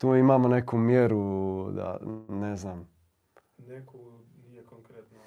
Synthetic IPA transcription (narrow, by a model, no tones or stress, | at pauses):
t̪uːimaːmonekumjeɾud̪a̰neznaːm | neko | nijekoŋkɾet̪no